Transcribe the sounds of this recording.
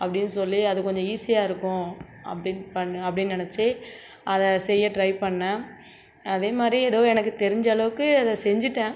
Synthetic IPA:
ɐpːɐɽɪnːɯsɔlːiɐðɯkɔɲd͡ʒɔ̃iːsɪjaːɪɾɯkːʊ̃ | ɐ̰pːɐɽɪnpɐɳɐpːɐɽɪnːnɪnɛt͡ʃːɯ | ʔɐðɐ̃sɛjːɐʈɾɐɪpɐɳːã | ɐðeːmaːd̪ɾiɛðoːɛnɐk̬ːɯt̪ɛɾɪɲd͡ʒaːɭɐʋɯkːɯɐðɛ̃sɛɲd͡ʒɪʈːẽː

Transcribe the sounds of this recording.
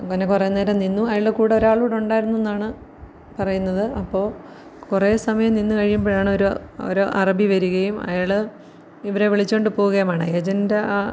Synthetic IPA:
ŋonːekureːneːɾɐmninːuɐjaɭekuːɽeoɾaːɭuːɽuɳɖaːjiɾunːuenːaːɳɨ | pɐrɐjunːɐðɨʔɐpːo̞ː | kureːsɐmɐjɐmninːukɐɻijumboːɭaːɳɨoɾuo̰ɾoʔɐrɐbiʋɐɾuɣɐjumɐ̰jaɭɨ | iʋɐɾe̞ʋiɭit͡ɕːoːɳɖɨpoːɣuɣɐjɐmaːɳɨeːd͡ʑɐndea

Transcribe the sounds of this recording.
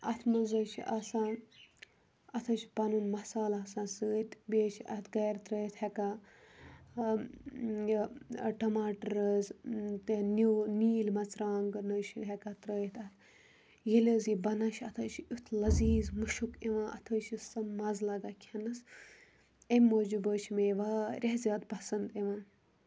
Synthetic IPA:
ɐt̪ʰmɐnzɐt͡ʃʰḭʔɐsãː | ɐt̪ʰɐt͡ʃʰpɐnunmɐsaːlasãːsəːt̪ʲbʲeːt͡ʃʰɐ̰t̪ʰɡɐjɾt̪ɾəːjt̪heka | ʈɐmaːʈɾəzt̪enuniːlmɐt͡sɾaːŋɡnəːʃiɦekat̪ɾəːit̪ʰɐt̪ | jilʲəzibɐnaʃɐt̪ʰɐːt͡ʃʰut̪ʰlɐziːzmuʃukeʋãːʔɐ̰t̪ʰəːt͡ʃʰisɐmːɐzlɐɡakʲʰɐnɐs | emʲːoːd͡ʒubəːt͡ʃʰmeʋaːɾʲʔeɦzʲaːt̪̚pɐsɐnd̪eʋãːn

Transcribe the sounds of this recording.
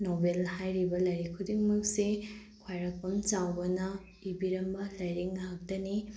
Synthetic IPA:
nobelhajɾibɐlɐjɾikʰːudiŋmɐk̚se | kʰwajɾɐk̚pɐmt͡ʃawbɐnɐ | ibiɾɐmbɐlɐjɾiŋnɐɦɐk̚tɐni

